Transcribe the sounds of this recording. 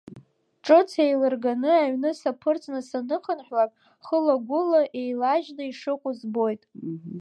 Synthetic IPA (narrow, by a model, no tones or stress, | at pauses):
ʈ͡ʂʼɨt͡sʰejlɨrɡanɨaɥnɨsapʰɨrt͡sʰʼnɨsanɨχʰənħʷᶣwapʼ | χəlaɡʷʊlaʔejlaʒnɨiʂɨqʷʼʊzbo̞jtʼ